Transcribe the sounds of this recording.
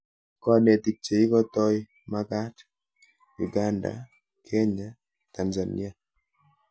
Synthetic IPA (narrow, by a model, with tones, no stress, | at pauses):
kɔ˦˨ne˨ti˨k̚t͡ʃe˨i˦kɔ˦tɔ˦j | ma˦ka˦t | ju˨ɡa˦nda̰˨ | kʰe˦ɲa˦ | ta˨nza˨nḭ˦a˨